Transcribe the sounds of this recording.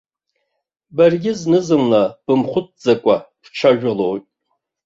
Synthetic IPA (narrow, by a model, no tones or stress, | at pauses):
barɡʲɪznɨzɨmnab̥ɨmχʷʊt̚ʰd͡zakʷʼabʈ͡ʂʷʰaʒᶣʊlowtʼ